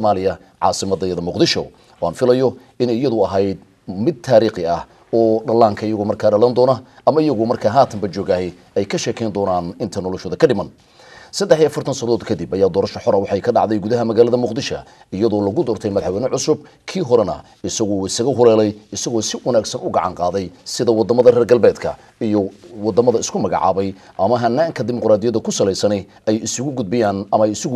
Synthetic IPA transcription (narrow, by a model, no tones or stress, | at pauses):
maːlɪjɐ | ʕɑ̰ːsɪmɐd̪ɐjɐðɐmʊqd̪ɪʃɔ̰ | ɔːaːnfɪlɐjɔ | ɪnɛjjɐðʊɐɦɛjd̪̚ | mɪd̪̚t̪ʰaːɾiːqɪɐh | ɔːɖɐlːaːŋkʰɐɪjɐɣʊmɐrkʰaːɖɐlɐnd̪ɔːnɐ | ʔɐmɐɪjɐɣʊmɐrkʰaːɦaːt̪ʰɐmbɐt͡ʃɔːɣɐhɛj | ɛjkʰɐʃɛːkʰɛjnd̪ɔːnaːnɪnt̪ʰɐnɔlɔʃɔːðɐkʰɐɖɪmɐn | sɐd̪ːɛħijɐfɐrt̪ʰɐnsɐɐðɔːd̪kʰɐd̪ibɐjaːd̪ɔːɾɐʃɐħɔɾɐwɑħɑjkʰɐɖɑ̰ʕd̪ɛjɡuðɐɦɐmɐɣaːlɐðɐmʊqd̪ɪʃɐ̰ | ɪjɐðɔːlɐɣʊd̪ɔːrt̪ʰɛjmɐðħwɛnɛʕʊsʊb̚ | kʰiːɦɔɾɛnɐ̰ | ɪsɐɣɔɪsɐɣɐɦʊlɛːlɛjɪsɐɣɔːsɪwɐnaːɡsɐnʊɡɑʕɑ̰ŋqɑːðɛjsɪðɐwɑd̪ɐmɐðɐrɛːrɡɐlbɛːd̪kʰɐ̰ | ijɔwɑd̪ɐmɐðɐɪskʰʊmɐɣɑ̰ʕɑ̰ːβɛj | ʔɐmɐɦɐnːaːŋkʰɐd̪ɪmɔqɾaːd̪ɪjɐðɐkʰʊsɐlɛjsɐnɛ | ɛjɪsʊɣʊɡʊd̪̚bɪjaːnɐmɐɛjɪsʊɣʊ